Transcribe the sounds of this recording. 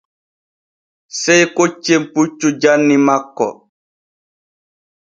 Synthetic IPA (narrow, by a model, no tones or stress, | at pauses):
sɛjkot͡ʃːemput͡ʃːud͡ʒanːimakːɔ̰